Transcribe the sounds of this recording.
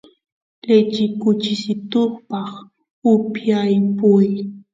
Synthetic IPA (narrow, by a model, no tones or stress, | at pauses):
lɪt͡ʃɪkʊt͡ʃɪsɪt̪oχpɑχ | ʊpjajpʊj